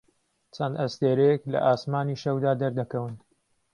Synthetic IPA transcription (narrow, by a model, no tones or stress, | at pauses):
t͡ʃʰɐnd̪ɐst̪eːɾɛjɛklɐ̰ʔaːsmaːniʃɐwd̪aːd̪ɐɾd̪ɐkɐwɨn